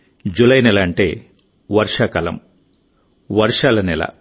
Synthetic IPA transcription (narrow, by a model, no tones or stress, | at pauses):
d͡ʒulɐjnɛlɐːɳʈḛː | ʋɐɾʂaːkɐlɐ̰m | ʋɐɾʂaːlɐnɛlɐ̰